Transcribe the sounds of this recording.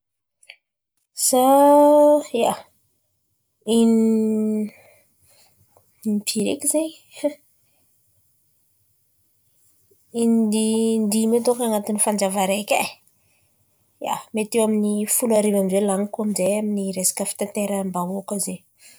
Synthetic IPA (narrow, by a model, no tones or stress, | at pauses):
sa | a | in | inipʰiɾḛkizej | inid̪ind̪imet̪okaŋat̪inifand͡ʒavaɾekʲa̰ | ja̰met̪ewaminifulaɾivamvelaŋikuamizejaminiɾesḁkəfi̥t̪ant̪eɾəmbaokəze